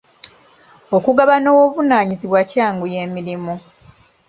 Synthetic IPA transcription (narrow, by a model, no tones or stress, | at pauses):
okuɡaβanoːwoβunaːɲiziβwacaːŋɡuje̞ːmiɾimu